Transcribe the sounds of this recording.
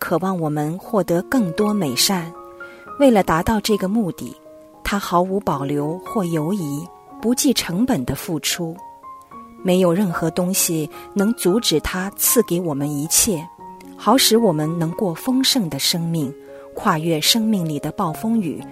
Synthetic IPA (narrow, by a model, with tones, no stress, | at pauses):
kʰɤ˨˩wɑ˥˩ŋwɔ˨˩mə˦nxwɔ˥˩t̪ɤ˧˥kɤ˥˩ŋt̪wɔ˥me˨˩ɪʂa˥˩nwe˥˩ɪlə˩t̪a˧˥t̪ɑ˥˧ʊʈ͡ʂɤ˥˩ɡə˩mu˥˧t̪ḭ˥˩ | t̪ʰa˥xɑ˧˥ʊu˧˥pɑ˨˩ʊljo˧˥ʊxwɔ˥˩jo˧˥ʊi˧˥ | pu˧˥t͡ɕi˥˩ʈ͡ʂʰɤ˧˥ŋpə˨˩nd̪ə˦fu˥˩ʈ͡ʂʰu˥ | me˧˥ɪjo˨˩ʊɻə˥˩nxɤ˧˥t̪ʊ˥ŋɕi˨nɤ˧˥ŋt͡su˧˥ʈ͡ʂɻ̩˨˩t̪ʰa˥t͡sʰɹ̩˥˩ke˧˥ɪwɔ˨˩mə˦ni˧˥t͡ɕʰjɛ˥˩ | xɑ˧˥ʊʂɻ̩˧˥wɔ˨˩mə˦nnɤ˧˥ŋkwɔ˥˩fɤ˥ŋʂɤ˥˩ŋd̪ə˩ʂɤ˥ŋmi˥˩ŋ | kʰwa˥˧ɥɛ˥˩ʂɤ˥ŋmi˥˩ŋli˨˩d̪ə˦pɑ˥˩ʊfɤ˥ŋy̰˨˩˦